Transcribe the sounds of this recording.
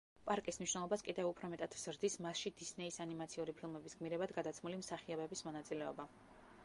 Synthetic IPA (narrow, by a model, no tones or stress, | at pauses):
pʼaɾkʼismniʃnɛlˠɔbaskʼid̪ɛvupʰɾɔmɛt̪ʼad̪̥vz̥ɾd̪ismasʃid̪isnɛisanimat̪sʰiuɾipʰilˠmɛbisɡmiɾɛbad̪ɡad̪at̪sʰmulimsaχiɔbɛbismɔnat̪sʼilɛɔ̰ba